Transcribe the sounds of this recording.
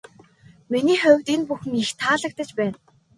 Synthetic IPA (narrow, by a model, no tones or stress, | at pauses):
miniːχʊwʲt̪iːnpuxɘ̆ŋixt̪ʰaːɮə̆k̚t̪ə̆t͡ɕpæːn